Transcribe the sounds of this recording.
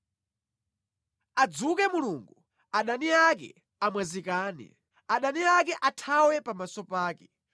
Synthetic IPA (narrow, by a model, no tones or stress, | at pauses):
ad͡zukɛmuluŋɡu | aɗaniak̬ɛ̰ | amwazikaːnɛ̰ | aɗaniak̬ɛʔatʰawɛpamasɔpaːkɛ